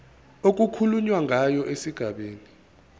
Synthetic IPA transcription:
ok̬ʼukʰuluɲwaŋʱajɔʔesiɡ̥ʱaɓeːni

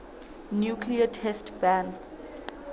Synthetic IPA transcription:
njukʰliətʰɛstbãn

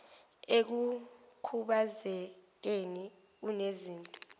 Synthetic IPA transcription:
ek̬ukʰuɓazɛk̬eni | uneziːntʼɔ

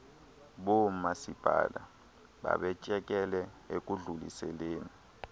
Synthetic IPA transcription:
ɓomasib̥ʱa̰ːla | ɓa̰ɓɛt͡ʃʼɛkʼɛlɛek̬ʼuɮulḭsɛleːni

